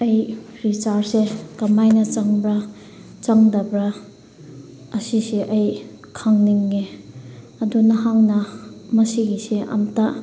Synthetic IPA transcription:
ɐjɾit͡ʃaɾsekɐmajnɐt͡ʃaŋbɾa | t͡ʃaŋdɐbɾa | ɐsiseʔɐj | kʰaŋniŋːe | ɐdunɐɦaŋnɐmɐsiɡiseʔɐ̰mta

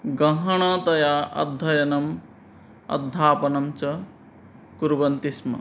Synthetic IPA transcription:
ɡɐɦɐɽ̃at̪ɐjaʔɐ̰d̪ʱːɐjɐnɐm | ɐ̰d̪ʱːaːpɐnɐmt͡ʃɐ | kuɾbɐnt̪ismɐ̰

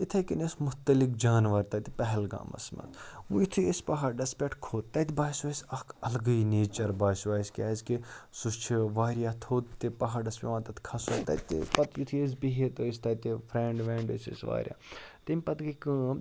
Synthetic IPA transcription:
it̪ʰɐkinesmʊɦt̪ɐlik̚d͡ʒaːnʋɐɾt̪ɐt̪ipɐɦɛlɡa̰ːmɐ̰smɐ̰t̪ujit̪ʰujesʲpɐɦɐɾɖɐspʲeʈkʰoːd̪̚t̪ːɐt̪ʲbaːsʋaːisʲɐkʰɐlɡɐineːt͡ʃɐɾbaːsʋaːisʲkʲaːzʲkisust͡ʃʰiʋaːɾjaːt̪ʰoːt̪t̪ːipɐɦɐɖɐspʲḛʋãːt̪ɐt̪ʰkʰɐsoːt̪ɐ̰t̪ḭpɐt̪jit̪ʰies̬biɦet̪oːist̪ɐt̪ipʰɾeːɳɖʋeːɳɖɨsḭsʋa̰ːɾʲja̰ːt̪imʲpɐt̪kikɨ̃

